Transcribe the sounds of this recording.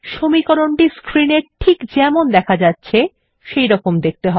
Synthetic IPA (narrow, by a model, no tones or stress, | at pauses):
ʃomikoɾoɳʈiskɾineɾʈʰikd͡ʑɛmond̪ɛkʰad͡ʑatːɕʰe | ʃejɾɔkomd̪ek̚t̪eɦɔe